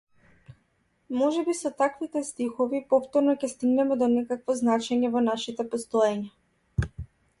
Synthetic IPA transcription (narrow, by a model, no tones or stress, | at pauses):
mɔʒɛbisɔt̪akvit̪ɛst̪ixɔvipɔft̪ɔɾnɔcʲɛst̪iɡnɛmɛd̪ɔnɛkakvɔznat͡ʃɛɲɛvɔnaʃit̪ɛpɔst̪ɔɛɲa